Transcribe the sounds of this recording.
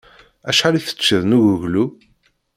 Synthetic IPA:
æʃħaliθə̥t͡sːəðnuʝuʝlu

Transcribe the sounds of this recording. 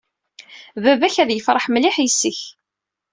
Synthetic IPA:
vævæçæðjəfɾˤəħmliħsːəç

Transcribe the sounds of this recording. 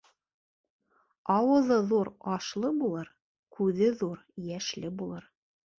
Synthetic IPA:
ɑwɤ̆ðɤðuɾɑʃlˠɤbulˠɤɾ | kʉðɘðuɾjæʃlɘbulˠɤɾ

